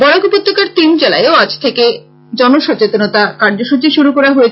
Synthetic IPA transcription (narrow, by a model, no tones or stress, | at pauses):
ɡɔɽakupot̪ːokaɾt̪ind͡ʑela̰eeoad͡ʑt̪ʰeke | d͡ʑɔnoʃɔt͡ɕet̪onot̪akaɾd͡ʑoʃut͡ɕiʃuɾukɔɾaɦojet͡ɕ